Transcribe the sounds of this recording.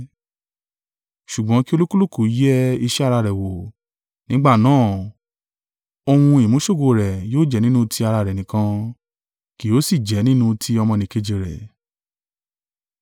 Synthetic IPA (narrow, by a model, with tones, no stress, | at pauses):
ʃu˨ɡ͡bɔ̃˨˦ki˦o˧lu˦ku˦lu˦˨ku˨˦jɛ˦i˧ʃɛ˦a˦˧ɾa˧ɾɛ˨wo˨ | nĩ˨˦ɡ͡ba˦˨nãː˦˨ | o˧w̃ũ˧i˨mũ˨˦ʃo˦˨ɡo˧˨ɾɛ˨joː˦d͡ʒɛ˨˦nĩ˦nũ˦tʰi˧a˧ɾa˧˨ɾɛ˨nĩ˨kã˧˦ | ki˨˦o˨˦si˦˨d͡ʒɛ˨˦nĩ˦nũ˦˧tʰi˧˦ɔ˧mɔ̃˧nĩ˨ke˧d͡ʒi˨ɾɛ̰˨